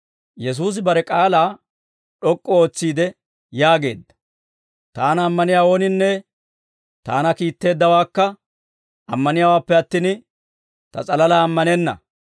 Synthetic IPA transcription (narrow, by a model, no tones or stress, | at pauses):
jɛs̬uːs̬ɪbɐɾɛkʼaːlaː | ɗɔkʼːɔo̞ːt͡sːiːd̪ɛ | jaːɡe̞̰ːd̪ːɐ̥ | t̪aːnɐːmːɐnɪjaːwo̞ːnɪnːɛ | t̪a̰ːnɐkiːt̪ːe̞ːd̪ːɐwaːkːɐ | ɐmːɐnɪjaːwaːpːɛɐt̪ːin | t̪ɐ̰t͡sʼɐlɐlaːmːɐnɛnːɐ̰